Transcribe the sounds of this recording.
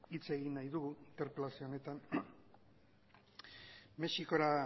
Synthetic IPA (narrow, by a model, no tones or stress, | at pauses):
it͡se̞ɣinːajðuɣuint̪eɾpelasio̞ːne̞t̪an | me̞ʃiko̞ɾa